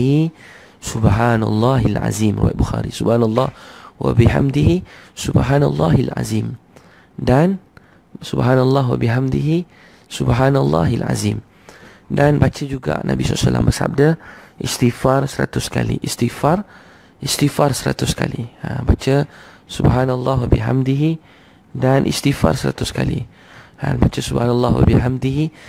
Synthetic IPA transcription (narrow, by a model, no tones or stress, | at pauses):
i | subɦanalːɑɦilʕa̰zimruw̰aj̰t̪̚buxaɾisubhanalˤːɑhwa̰biɦa̰mdiɦisubɦanalˤːɑɦilʕa̰zim | dan | subɦanalːɑɦwabiɦamd̪iɦi | subɦanalˤːɑ̰ɦilʕa̰zim | danbat͡ʃəd͡ʒuɡa̰ʔnʔabissalːa̰mbəsa̰p̚dəʔist̪ifarsəɾat̪ʊskalḭʔist̪ifar | ʔist̪ifarsəɾat̪ʊskaliabat͡ʃə | subɦanalːaɦwabiɦamdiɦi | danʔḭst̪ifa̰rsəɾat̪ʊskalḭ | a̰nbat͡ʃəsubhanalːaɦwa̰biɦamdiɦi